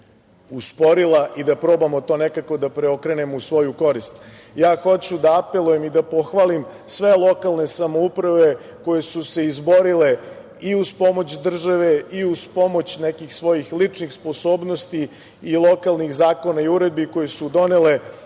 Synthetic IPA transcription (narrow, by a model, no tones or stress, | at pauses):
uspo̞ɾilˠaʔid̪apɾo̞ːbamot̪o̞ːnekako̞d̪apɾeo̞kɾenemusʋo̞juko̞ɾist̪ | jaːxo̞t͡ɕud̪aːpelˠujemid̪apoxʋalimsʋe̞lˠo̞kalˠne̞samoupɾaʋe̞ | ko̞je̞suse̞izbo̞ɾile̞ | iuzpo̞mo̞t͡ɕd̪r̩ʒaʋe̞iuz̥po̞mo̞t͡ɕnekixsʋo̞jixlit͡ʂnixspo̞soːbnost̪i | ilˠo̞kalˠnixzaːko̞naiuɾed̪̚biko̞jesud̪o̞nele